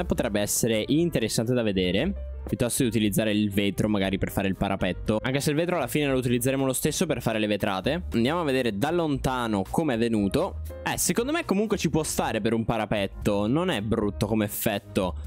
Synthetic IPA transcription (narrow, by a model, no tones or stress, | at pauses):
epːot̪ɾɛbːeɛsːeɾeʔint̪eɾesːant̪ed̪aved̪eːɾe | pjut̪ːɔst̪od̪iut̪ilid̪zːaːɾeilveːt̪ɾomaɡaːɾiperfaːɾeilpaɾʔapɛt̪ːoaŋkeseilveːt̪ɾoalːafiːnelout̪̬ilid̪zːeɾeːmolost̪esːoperfaːɾelevet̪ɾa̰ːt̪eand̪jamoavːed̪eːɾed̪alːont̪aːnokʰomeɛvːenuːt̪oɛsekond̪omekːomuŋkwet͡ʃipwɔst̪aːɾepeɾumpaɾapɛt̪ːononɛbɾut̪ːokomeːfːɛt̪ːo